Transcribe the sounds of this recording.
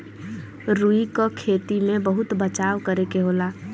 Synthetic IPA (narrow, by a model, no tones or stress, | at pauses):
ɾuikokʰeːt̪imẽbəɦʊt̪bət͡ʃaːwkəɾekeɦoːlaː